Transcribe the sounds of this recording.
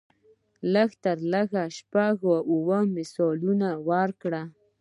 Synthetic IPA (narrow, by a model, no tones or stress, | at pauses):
ləxt̪aɾləɣaʃpaɣwaʔuwəmɪsɔlunawaɾkɽa